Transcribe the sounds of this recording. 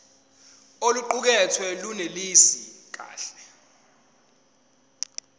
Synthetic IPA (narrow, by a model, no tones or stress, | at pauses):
oluǃuk̬ɛtʰwɛlunelisik̬a̰ːɬɛ